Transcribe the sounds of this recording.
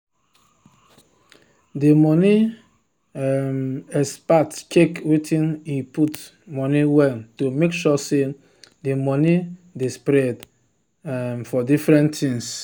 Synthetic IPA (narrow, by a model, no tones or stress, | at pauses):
demɔni | mɛspatkekwetʰĩniput | mɔniwɛltomekʃɔse | demɔnidespɾɛd | mfɔdifɾɛ̃ntʰĩŋs